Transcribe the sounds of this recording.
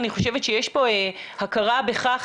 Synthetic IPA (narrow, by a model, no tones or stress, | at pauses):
niχo̞ʃevetʃejeʃbo̞ehakaʁabe̞χaχ